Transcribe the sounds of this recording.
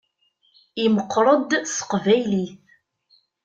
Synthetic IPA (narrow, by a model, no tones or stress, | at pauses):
iməqːɾˤəd̪sə̥qvæjliθ